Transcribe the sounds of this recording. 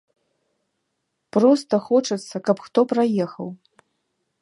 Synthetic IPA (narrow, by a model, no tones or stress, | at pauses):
pɾɔst̪ɐxɔt͡ʂɐt̪sːɐkɐpxt̪ɔpɾajɛxɐw